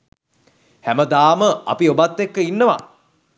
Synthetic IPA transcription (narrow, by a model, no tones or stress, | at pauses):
hæməd̪aːməɐ̰piobat̪ːekːəinːəʋa̰